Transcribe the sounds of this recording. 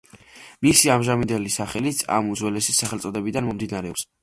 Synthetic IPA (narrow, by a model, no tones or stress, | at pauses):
misiamʒamind̪ɛlisaχɛlit̪sʰa̰mud̪zwɛlɛsisːaχɛlˠt̪sʼɔd̪ɛbid̪anmɔmd̪inaɾɛɔps